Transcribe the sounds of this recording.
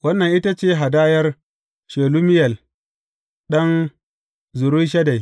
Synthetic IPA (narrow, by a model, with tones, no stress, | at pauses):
wɐ˦nːɐ˨ŋʔɪ˦ta˦t͡ʃeː˦ɦa˨daː˦jɐ˦r | ʃeː˨lu˦mɪ˦jɐ˨l | ɗɐ˦n | zʊ˨ɾu˦ʃɐ˦da˨j